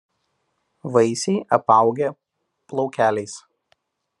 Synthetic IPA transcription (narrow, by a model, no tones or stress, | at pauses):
ʋɐɪsʲɛɪʔɐpɑˑʊɡʲɛ | plˠɔʊkʲæːlʲɛɪs